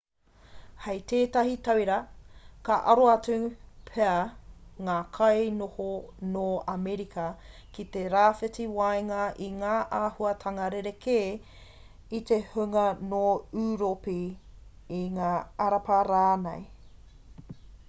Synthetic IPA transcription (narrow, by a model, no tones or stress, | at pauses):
hejt̪eːtɐɦitɐwjɾɐkɐʔɐ̰ɾoɐt͡supʰeɐŋaːkʰɐjnohonoɐmeɾikʰɐkit̪eɾaːfetiwajŋɐʔiŋaːʔaːhuɐtʰɐŋɐɾeɾekʰeː | it̪ehʉŋɐnoʉːɾopi | iŋaːɐɾɐpɐɾaːnḛj